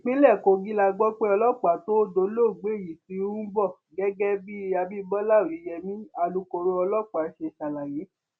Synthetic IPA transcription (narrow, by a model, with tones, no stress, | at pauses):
k͡pĩ˨˦lɛ˦˨ko˧ɡi˦la˧ɡ͡bɔ˦k͡pe˦ɔ˧lɔ˦k͡pa˨to˦do˨˦lo˦˨ɡ͡be˨˦˨ji˨si˨˦ũ˦bɔ˦˨ | ɡɛ˦ɡɛ˦bi˦a˧bi˦bɔ˦la˦˨o˨i˨˦jɛ˧mĩ˦a˧lu˧ko˧ɾo˧ɔ˧lɔ˦˨k͡pa˨˦ʃe˧˨ʃa˨la˨je˨˦